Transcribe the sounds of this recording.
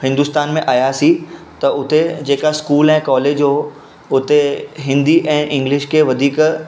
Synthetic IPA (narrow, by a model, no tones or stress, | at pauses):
hɪ̃nd̪ʊst̪aːnmẽʔaːjasi | t̪ɐʊt̪ed͡ʑeːkaskuːlɛ̃ːkɔːleːd͡ʑɦoː | ʊt̪eɦɪ̃nd̪iʔɛ̃ːʔɪ̃ŋɡlɪʃkʰeʋɐd̪ʱiːk